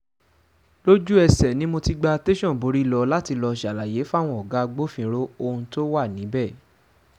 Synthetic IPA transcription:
lo˦d͡ʒu˦ɛ˧sɛ˨nĩ˨˦mo˧ti˦ɡ͡ba˧te˦ʃɔ̃˦˨bo˨˦ɾi˦˨lɔ˧la˦ti˧lɔ˧ʃa˨la˨je˨˦fa˦˨w̃ɔ̃˧ɔ˨ɡa˨˦ɡ͡bo˦fĩ˧ɾo˦o˧hũ˧to˦wa˦˨nĩ˨˦bɛ˦˨

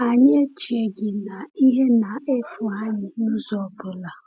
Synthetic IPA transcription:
a˨ɲe˦t͡ʃi˨e˨ɡɪ˨na˨i˦ɦe˦na˨e˦fʊ˨ɦa˦ɲɪ˨nʊ˦zɔ˨bʊ˨la˨

